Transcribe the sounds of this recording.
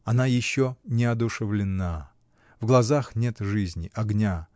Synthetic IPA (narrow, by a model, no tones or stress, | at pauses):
ɐnajɪɕːonʲɪɐd̪ʊʂɨvlʲɪnːa | vɡlˠɐzaxnʲe̞t̪ʐɨzʲnʲɪ̰ʔɐɡnʲa